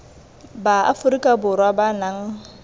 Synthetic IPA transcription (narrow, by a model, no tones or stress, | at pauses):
baa̰fʊɾikʼabʊɾwabanaŋ̩